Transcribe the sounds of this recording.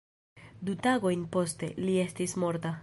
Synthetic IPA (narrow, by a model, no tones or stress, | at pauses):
dutaɡo̞jnpo̞ste̞̰lie̞stismo̞ɾta